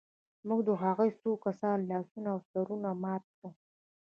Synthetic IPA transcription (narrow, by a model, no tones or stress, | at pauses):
muɡd̪əɦaɣəjsokasɑnlɑsunaːwsaɾunamɑt̪̚ka